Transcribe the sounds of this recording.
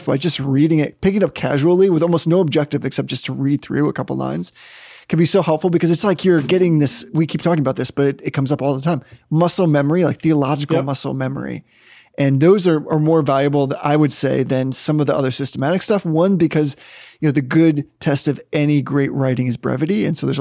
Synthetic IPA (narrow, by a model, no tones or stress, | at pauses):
fb̥aɪd͡ʒʌst̚ɹiɾɪ̃ŋɪt̚pʰɪkɪ̃ŋʌp̚kʰæ̰ʒul̩ˠiwɨðɔlˠmoʊsnoʊb̚d͡ʒɛk̚tɨvɨksɛp̚d̥ʒ̥ʌstʰəɹid̪̚θɹʉ̰ə̰kʰʌpl̩ˠlã̰ɪ̃nz̥kʰɨ̃n̩bisoʊhɛlˠpfl̩ˠbɨkʰʌzɨtslaɪkjə˞ɡɛɾɪ̃ŋðɪswikʰip̚tʰɔkɪ̃ŋəbaʊt̪̚ðɪsb̥ʌɾɨɾɨt̚kʰʌ̃mzʌpɔlˠðətʰãɪ̃mmʌsl̩ˠmɛmə˞ilaɪk̚θiəlɑd͡ʒɨkl̩ˠmʌsl̩ˠmɛmə̰˞ḭ | ʔɨ̃nðoʊzə˞ʔə˞mɔɹvælˠjɨbl̩ˠa̰ɪwɨd̥seɪðɨ̃nsʌ̃mʌvðiʔʌ̰ðə˞sɪstəmæɾɨkstʌfwʌ̃nbɨkʰʌzjɨnoʊðɨɡʊd̚tʰɛstʌvɛniɡɹeɪʔ̚ɹaɪɾɪ̃ŋɨzbɹɛ̰vɨɾiɨ̰̃nsoʊðə˞z